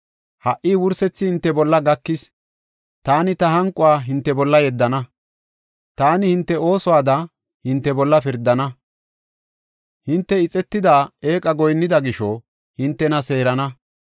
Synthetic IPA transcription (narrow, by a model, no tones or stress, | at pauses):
hɐʔiːwʊɾsɛt͡sːɪhɪnt̪ːɛbɔlːɐɡɐkːɪs | t̪aːnɪt̪ɐɦɐŋkʼːʊwaːɦɪnt̪ːɛbɔlːɐjɛd̪ːɐnɐ | t̪aːnɪhɪnt̪ːɛo̞ːsɔwaːd̪ɐ | hɪnt̪ːɛbɔlːɐfɪɾd̪ːɐnɐ | hɪnt̪ːɛɪt͡sʼɛt̪ːɪd̪aːeːkʼɐɡɔjnːɪd̪ɐɡɪʃɔ | hɪnt̪ːɛnɐse̞ːɾɐnɐ